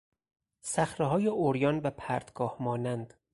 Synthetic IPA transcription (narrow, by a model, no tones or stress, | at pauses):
sæxɾeɦɒːjeʔoɾjɒːnbæpʰæɾd̪ɡ̥ɒːhmɒːnænd̪̥